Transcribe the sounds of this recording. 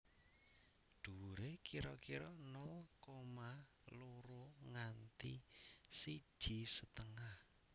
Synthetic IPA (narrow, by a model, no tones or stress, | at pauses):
ɖ̪̥ṳɾekiɾɔkiɾɔnɔkoma | loɾoŋant̪isid̥ʒ̥i̤sət̪əŋah